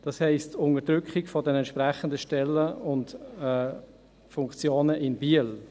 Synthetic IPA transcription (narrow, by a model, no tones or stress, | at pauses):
d̥ɑshɛɪstʊnədɾʏkχɪɡfɔdɛnɛntʃpɾɛχəndəʃtɛlːəʊntɛ | fʊŋkt͡sjoːnəʔɪnbiəl